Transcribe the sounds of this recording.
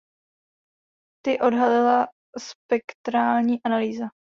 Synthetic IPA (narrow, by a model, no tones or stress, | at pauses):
t̪ɪʔo̞dɦalɪla | spɛkt̪ɾaːlɲiːʔanaliːza